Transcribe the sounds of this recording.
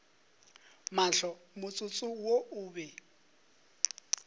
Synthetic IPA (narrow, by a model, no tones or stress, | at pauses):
maɬɔmʊt͡sʼʊt͡sʼʊwoʊːbɛ